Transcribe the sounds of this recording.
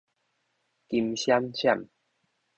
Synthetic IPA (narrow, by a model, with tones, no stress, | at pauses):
ki˧mɕja˦mɕja̰˥˨m